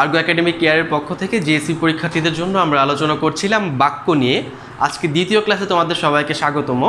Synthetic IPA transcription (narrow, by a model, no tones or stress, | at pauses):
aɾɡoɛkaɖemikːejaɾeɾpokʰːot̪ʰeked͡ʑeesipoɾikʰːat̪id̪eɾd͡ʑonːoamɾaalot͡ɕonakoɾt͡ɕʰilambakːonije | a̰d͡ʑked̪it̪ioklaset̪omad̪eɾʃɔbajkeʃaɡot̪omo